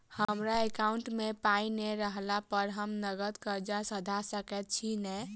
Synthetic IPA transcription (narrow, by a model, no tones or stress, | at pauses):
həmɾaekaʊɳʈmepaineɾəɦlapəɾɦəmnəɡət̪kəɾd͡ʒasəd̪ʱasəkɛt̪̚t͡ʃʰinɛ